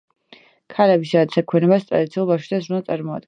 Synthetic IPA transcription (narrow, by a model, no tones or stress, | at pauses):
kʰalɛbisad̪at̪sɛkʰwɛnɛbast̪ʼɾad̪it̪sʰiulˠbafʃid̪azɾunat̪sʼaɾmɔa̰d̪̚ɡɛ